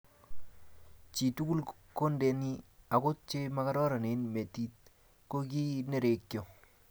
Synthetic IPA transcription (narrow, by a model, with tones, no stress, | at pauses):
t͡ʃi˨tu˦ku˦l | ko˦nde˨ni˦a˨kʊ˦t̚t͡ʃe˦ma˦ka˦ɾɔ˦ɾa˨ne˨nme˨ti˦t̪̚ | ko˦k̬i˦ne˦ɾe˨kːjɔ˨